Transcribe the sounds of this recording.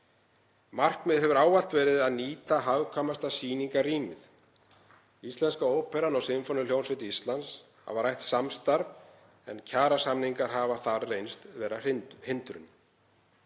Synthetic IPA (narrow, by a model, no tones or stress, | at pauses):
mar̥kmɪðɦɛvʏɾaːwal̥t̪vɛːɾɪðaðniːt̪aɦawkʰamast̪asiːniŋkariːmɪθ | ist̪lɛnskaoːwpʰɛɾanawsɪmfɔnʏl̥joːwnsɪt̪ist̪lans | ha̰vaɾajht̪samst̪aɾv | ɛ̰ncʰaːɾasamniŋkaɾɦaːvaθaɾrejnst̪vɛːɾahɪnt̪ɾʏ̰n